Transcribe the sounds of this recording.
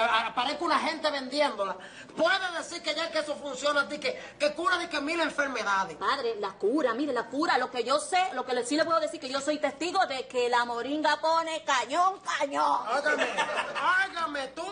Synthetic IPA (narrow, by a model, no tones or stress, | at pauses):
apaɾehkunaɦe̞nt̪eβe̞nd̪jend̪o̞la | pweðeðesiɾkeʝakeesofunsjo̞nasikekekuɾaðekemileɱfe̞ɾme̞ðaðepaðɾe̞lakuɾamiɾelakuɾalo̞ke̞ʝo̞selo̞kelsilepweðoðesiɾkeʝo̞so̞jt̪e̞st̪iɣo̞ðekelamoɾiŋɡapo̞ne̞kaɲõŋkaɲõŋot̪amẽaɣamet̪u